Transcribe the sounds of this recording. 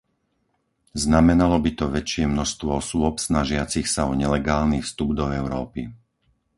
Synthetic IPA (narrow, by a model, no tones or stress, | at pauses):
znamɛnalɔbit̪ɔʋɛt͡ʃɪɛmnɔʃst̪ʋɔɔsʊʊɔpsnaʒɪat͡sixsaɔɲɛlɛɡaːlnifst̪ubd̪ɔɛʊɾɔːpi